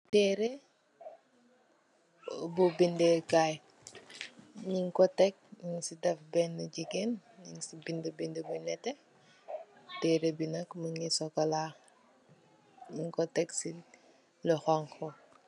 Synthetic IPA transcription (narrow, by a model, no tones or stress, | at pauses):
tɛːɾe | bubindekaj | ɲiŋkɔtɛk̚ɲiŋsidɐfbɛnːuɟiɡenɲiŋsibindebindebunɛtːɛ | tɛːɾebinɐkmuŋisɔkɔla | ɲiŋkɔtɛksi | ləxɔŋkʰɔ